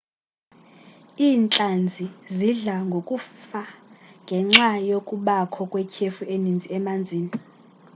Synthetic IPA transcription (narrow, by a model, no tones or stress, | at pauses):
iːnt͡ɬʼand͡zʱiziɮaŋɡʱokʼufaŋɡʱɛŋ͡ǁajokʼuɓakʰɔkʼwɛkʰefuʔenind͡zʱiɛmand͡zʱiːni